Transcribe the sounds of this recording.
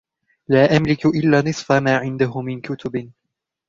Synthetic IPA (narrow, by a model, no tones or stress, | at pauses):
laːʔamlɪkʊʔɪlːaːnɨsˤfamaːʕɪnd̪aɦʊmːɪnkʊt̪ʊbɪ